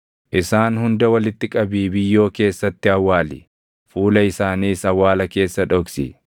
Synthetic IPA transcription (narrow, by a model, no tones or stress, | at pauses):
ʔɪsaːnhʊnd̪ɐwɐlɪt̪ːɪkʼɐbiːbɪjːo̞ːke̞ːsːɐt̪ːɪɐwːaːlɪ̰ | fuːlɐɪsaːniːsɐwːaːlɐke̞ːsːɐᶑɔksɪ̰